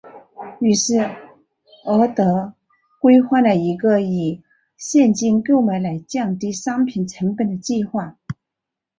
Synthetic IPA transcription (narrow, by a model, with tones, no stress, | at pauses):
y˨˩ʂɻ̩˥˩ | ə˧˥t̪ɤ˧˥ | kwe˥ɪxwa˥˩lə˨˩i˧˥ɡə˧i˨˩ | ɕjɛ˥˧nt͡ɕi˥˧nkjo˥˩ʊma˧˥ɪla˧˥ɪt͡ɕjɑ˥˩ŋt̪i˥ʂɑ˥ŋpʰi˨˩nʈ͡ʂʰə˧˥ŋpə˨˩nd̪ə˩t͡ɕi˥˧xwa˥˩